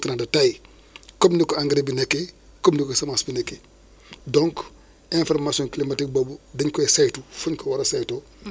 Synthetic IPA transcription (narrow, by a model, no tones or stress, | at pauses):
tinadɐtaj | komndikoaŋɡɾebinekːe | komndikosɐmasbinekːe | dɔ̃ŋk | ẽfɔɾmasiɔ̃ŋklimatik̚bobudɐɲkoesajtufuɲkowaɾɐsajto